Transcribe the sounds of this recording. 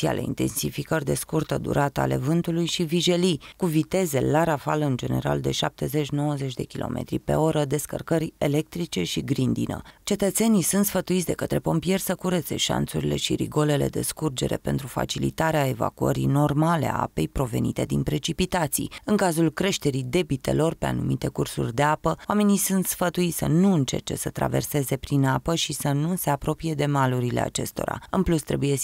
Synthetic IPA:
ia̰leḭnt̪e̞̰nsifikərʲd̪e̞skurt̪əd̪ṵɾat̪əale̞vɨnt̪ulujʃiviʒe̞likuvit̪e̞ze̞laɾafaləɨnd͡ʒe̞ne̞̰ɾa̰ld̪e̞ʃap̚t̪e̞ze̞t͡ʃʲno̞wəze̞t͡ʃʲd̪e̞kʲilo̞̰mʔe̞̰t̪ɾḭpe̞̰o̞ɾəd̪e̞skə̰rkəɾʲele̞k̚t̪ɾit͡ʃe̞ʃiɡɾind̪ḭnə̰t͡ʃe̞t̪ət̪se̞nijsunt̪sfət̪uit̪sʲd̪e̞̰kət̪ɾe̞po̞mpie̞rʲsəkuɾet̪se̞ʃa̰nt̪suɾile̞ʃiɾḭɡo̞le̞le̞̰d̪e̞̰skurd͡ʒe̞ɾe̞̰pe̞nt̪ɾufa̰t͡ʃilit̪aɾeae̞va̰kuə̰ɾino̞rmale̞a̰a̰pe̞jpɾo̞ve̞̰nit̪e̞d̪inpɾe̞t͡ʃipit̪at̪sḭjɨŋkazulkɾe̞ʃt̪e̞ɾid̪e̞bit̪e̞̰lo̞rpe̞a̰numit̪e̞kursṵrʲd̪e̞apəwame̞nisunt̪sfət̪uit̪sʲənuɨnt͡ʃe̞̰rt͡ʃe̞̰sət̪ɾa̰ve̞̰rse̞ze̞pɾinapəʃisənuse̞apɾo̞pije̞d̪e̞maluɾile̞a̰t͡ʃe̞̰st̪o̞̰ɾa̰ɨnplust̪ɾebuje̞

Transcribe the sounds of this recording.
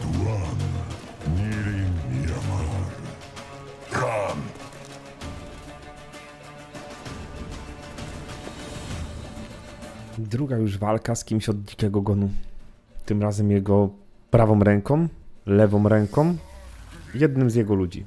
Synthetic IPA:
d̪wan | mʲiɾimiamaɾ | kan | d̪ɾuɡajuʐvalkaskʲimɕɔd̪̚d͡ʑikʲɛɡɔɡɔnu | t̪ɘmɾazɛmjɛɡɔ | pɾavɔ̃mɾɛŋkɔ̃mlɛvɔ̃mɾɛŋkɔ̃m | jɛd̪̚nɘmzjɛɡɔlud͡ʑḭ

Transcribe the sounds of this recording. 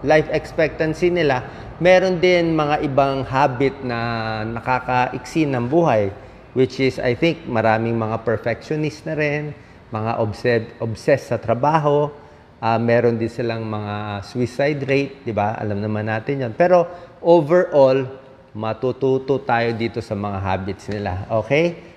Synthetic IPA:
lajfɛkspɛk̚t̪ɐnsɪnɪla | mɛːɾo̞nd̪ɪnmɐŋaʔɪbaŋhaːbɪt̪̚nɐnɐkaːkɐʔɪksɪnɐŋbuːɦɐj | wɪt͡ʃɪsɐ̰jθɪŋk̚mɐɾaːmɪŋmɐŋapɛɹfɛk̚ʃonɪst̪nɐɾɪn | mɐŋa̰ʔobsɛʔobsɛsːɐt̪ɾɐbaːɦo̞ | ʔamɛːɾo̞nd̪ɪnsɪlaŋmɐŋaswɪsajd̪ɾejt̪̚d̪ɪbaʔɐ̰lɐmnɐmanːaːt̪ɪnjonpɛːɾo̞ʔovɛɹʔol | mɐt̪ut̪uːt̪ot̪aːjo̞d̪iːt̪o̞sɐmɐŋaɦa̰ːbɪt̪snɪla̰ʔo̞ːkɛj

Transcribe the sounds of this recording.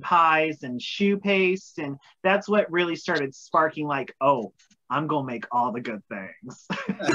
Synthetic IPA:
pʰaɪzɨ̃nʃʉpʰeɪstɨ̃n | ðætswʌt̚ɹɪlˠistɑɹɾɨd̥spɑɹkɪ̃ŋlaɪkoʊ | ãɪ̃mɡõʊ̃nəmeɪkʰɔlˠðɨɡʊd̪̚θɪ̰̃ŋz̥

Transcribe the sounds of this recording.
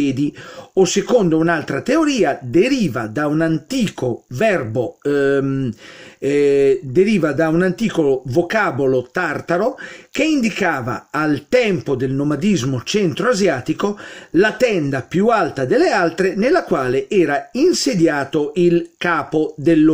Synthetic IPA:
ɛːd̪iosekond̪ounalt̪ɾat̪eoɾiːad̪eɾiːvad̪aunant̪iːkovɛrbo | d̪eɾiːvad̪aunant̪iːkovokaːbolot̪art̪aɾok̟eind̪ikaːva̰ːlt̪ɛmpod̪elnomad̪izmot͡ʃɛnt̪ɾoazjaːt̪ikolat̪ɛnd̪apjualt̪ad̪elːealt̪ɾenelːakwaːleʔɛːɾainsed̪jaːt̪oʔilkaːpod̪elː

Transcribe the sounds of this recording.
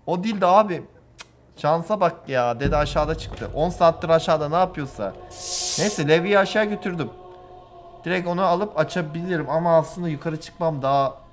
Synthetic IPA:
o̞d̪ilʲd̪ɛaːbɪ | ʃansabak̚t̪ɯjaːd̪ed̪ɛaʃaːd̪at͡ʃʰɯ̥kt̪ʰɯ̰ʔo̞nsaːt̪lˠɯɾaʃaːd̪anaːpʰɯjo̞sa̰nejsɛlʲɛvijiaʃaːɟø̞t̪ʰyɾd̪ym | d̪̥iɾɛco̞naalˠɯpat͡ʃʰabilʲiɾimamaːslˠɯnd̪ajukʰaɾɯt͡ʃʰɯ̥k̚mamd̪aa

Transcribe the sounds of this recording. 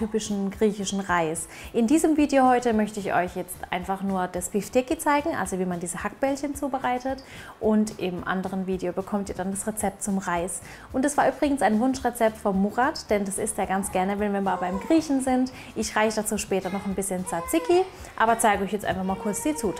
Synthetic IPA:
tyːpɪʃn̩ɡʁiːçɪʃn̩ʁaɪs | ʔɪndiːzəmviːdejohɔʏtəmœçtəɪçʔɔ̰ʏçjɛt͡stʔa̰ɪnfaχnuːɐdasb̥iftɪkit͡saɪɡŋ̩ʔa̰lzoviːmandiːzəhak̚b̥ɛlçənt͡suːbəʁaɪtətʔʊntʔɪmʔa̰ndəʁ̞ənviːdejobəkʰɔmtiːɐdandasʁet͡sɛp̚tt͡sʊmʁaɪs | ʔʊntd̥asv̥aːɐʔyːbʁɪɡŋ̩n̩saɪnvʊnʃʁɛt͡sɛp̚tfɔnmuʁatd̥ɛndasɪstjaːɡant͡sɡ̥ɛɐnəvɛnviɛɐmaːlbaɪmɡʁiːçn̩zɪnt | ʔɪçʁaɪçəd̥at͡suːʃpɛːtɐnɔχnbɪsçənt͡sat͡sɪki | ʔa̰ːbɐt͡saɪɡəɔʏçjɛt͡stʔa̰ɪnfaχmaːlkʰʊɐt͡sz̥iːt͡suː

